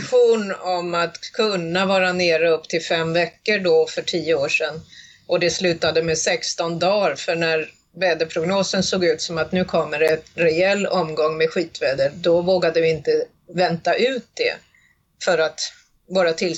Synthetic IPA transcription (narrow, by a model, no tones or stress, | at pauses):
ɧuːnɔmat̪kʰɵnːavɑːɾaneːɾəɵpːt̪ʰɪlfɛmvɛkːəɖɔfœʈʰiːəoːʂɛn | ʔɔd̪ɛslʉ̟ːt̪ad̪əmɛsɛkst̪ɔnd̪ɑːɾfœɳæɾ | vɛːd̪əpʰɾʊɡnoːsənsoːɡʉ̟ːt̪sɔmat̪nʉ̟ːkʰɔmːəɾɛnɾɛɛlːɔmɡɔŋːmɛɧiːt̪vɛːd̪əd̪ɔvoːɡad̪əvɪɪnt̪ə | vɛnt̪aʔʉ̟ːt̪̚d̪ɛ̰ | fœɾat̪ | vɑːɾat̪ʰɪl